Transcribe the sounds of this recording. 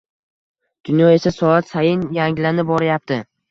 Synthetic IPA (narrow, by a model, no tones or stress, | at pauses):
d̪̥ʊnjɒe̞sasɒat̪sajɪnjaŋlanɪbɒɾajap̚t̪ʰɪ